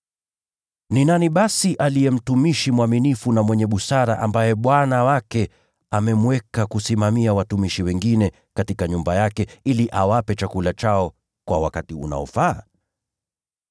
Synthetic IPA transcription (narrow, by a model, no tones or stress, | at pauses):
ninaniɓasiʔalijɛm̩tumiʃimwaminifunamwɛɲɛɓusaɾaʔambajɛɓwanawakɛ | amɛmwɛkakusimamiawatumiʃiwɛŋɡinɛ | katikaɲumbajakɛiliʔawapɛt͡ʃakulat͡ʃaɔ | kwa̰wa̰katiṵna̰ɔfaː